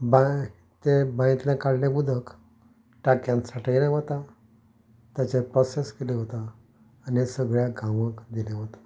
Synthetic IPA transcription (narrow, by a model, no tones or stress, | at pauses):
ba | t̪ebãj̃t̪lãkaɽljabud̪ʱək | ʈakjãnsaʈʰieljaʋot̪a | t̪jat͡ɕepɾɔseskeleɦot̪aː | nesəɡɭjaɡʱãʋəkd̪iljaɦot̪ḁ